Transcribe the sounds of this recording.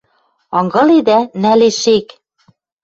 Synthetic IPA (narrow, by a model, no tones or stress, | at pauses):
ɑŋɡɤ̆lid̪ænæleʃek